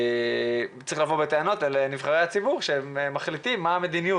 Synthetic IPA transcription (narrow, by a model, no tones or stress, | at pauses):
t͡sʁiχlavo̞bet̪eano̞t̪elenivχaʁe̞jhat͡sibuʁʃemmaχlit̪imːaame̞d̪iniju